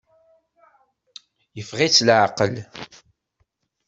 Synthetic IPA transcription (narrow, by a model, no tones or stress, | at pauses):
jəfʁit͡sːlʕaqəl